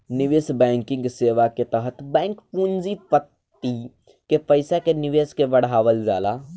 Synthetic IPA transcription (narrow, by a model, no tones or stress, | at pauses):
nɪʋeːsbɛ̃ːŋkɪ̃ŋɡseːʋaket̪əɦət̪bɛ̃ːŋkpuːnd͡ʒipət̪ːi | kepəɪsakenɪʋeːskebəɽ̤aːʋəld͡ʒa̰ːla